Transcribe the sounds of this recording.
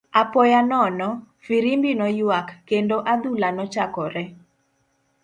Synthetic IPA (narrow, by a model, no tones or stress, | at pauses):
apɔjanɔnɔ | fiɾimbinɔjwakːendoʔad̪ulanɔt͡ʃakɔɾɛ